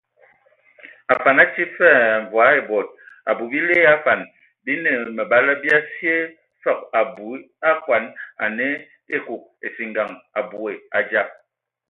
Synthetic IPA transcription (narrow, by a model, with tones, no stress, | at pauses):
a˨fa˨na˦t͡ʃi˦fɛ˦˨ɱ˨vwa˨˦e˨bɔ˨t̚a̰˨bu˨bi˦le˦a˦fa˨n | bi˦ne˨mə˨ba˦lə˦bi˦a˦si˦e˦ | fɔ˦˨k̚a˨bu˨˦ | a˦kwa˨˦na˨ne˦ | e˦ku˨k̚e˨si˨ŋɡa˨ŋa˨bu˨e˨a˨d͡ʒa˦˨p̚